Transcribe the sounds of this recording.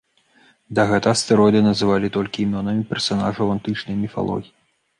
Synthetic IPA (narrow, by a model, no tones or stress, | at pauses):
d̪ɐɣɛt̪ɐst̪ɛɾɔd̪ɨnɐzɨvalʲit̪ɔlʲkʲiːmʲɔnɐmʲipʲɛrsana̰ʐɐwant̪ɨt͡ʂnɐjmʲifa̰lˠɔ̰ɣʲiji